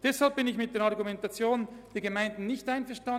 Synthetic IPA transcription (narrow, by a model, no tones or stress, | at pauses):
d̥ɛshalp̚bɪnɪçmɪt̚d̥eːɑɐʁɡumɛntat͡sjoːnənd̥eːɐɡəmaɪndn̩ːɪçtaɪnfɛɐʃtan